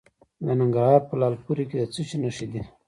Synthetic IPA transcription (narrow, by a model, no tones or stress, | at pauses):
d̪ənaŋɡaɾɦɑɾpəlɑlpuɾiked̪ət͡sət͡ʃinaʂid̪i